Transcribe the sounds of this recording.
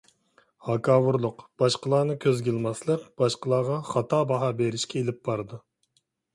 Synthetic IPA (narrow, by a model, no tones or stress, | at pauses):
hɑkʰɑːwuɾlˠʊqb̥ɑʃqəlˠɑːnɨkʲʰøzɡʲilˠmɑslˠəqb̥ɑʃqəlˠɑːʁɑχɑt̪ʰɑːbɑɦɑbeɾɪʃkʲɛelɪp̚bɑɾd̪ɨ